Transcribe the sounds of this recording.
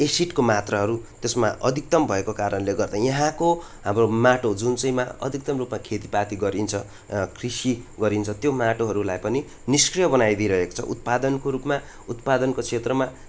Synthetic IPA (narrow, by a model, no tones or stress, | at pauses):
esiʈkomat̪rʌɦʌɾut̪esma̰ʔʌd̪ʱik̚t̪ʌmbʱʌekokaɾʌnleɡʌrd̪ajʌɦãko | ɦamromaʈod͡zunt͡sʌjmaʌ̰d̪ʱik̚t̪ʌmrupmakʰet̪ipat̪iɡʌɾint͡sʰʌ | kʰrisiɡʌɾint͡sʰʌt̪jomaʈoɦʌɾulajpʌni | niskrijʌbʌnajd̪ʱʌɾʌɦeko̥t͡sʰʌ̰ʔut̪̚pad̪ʌnkoɾupma | ut̪̚pad̪ʌnkot͡sʰet̪rʌma